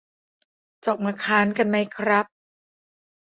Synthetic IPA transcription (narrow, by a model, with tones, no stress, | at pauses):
t͡ɕɔː˨˩k̚maː˧kʰaː˦˥nka˧nma˦˥jkʰɾa˦˥p̚